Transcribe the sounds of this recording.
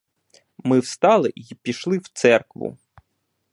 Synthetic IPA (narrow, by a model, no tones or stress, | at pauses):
mɪwst̪ɑlˠɪipʲiʃlˠɪwt̪sɛrkʋʊ̰